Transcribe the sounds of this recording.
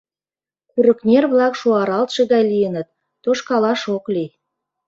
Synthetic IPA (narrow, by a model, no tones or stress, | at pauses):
kyɾə̆knʲerβlɑkʃuɑɾɑlt̪ʃɤ̆ɣɑjlijənə̆t̪̚ː | oʃkɑlɑʃokli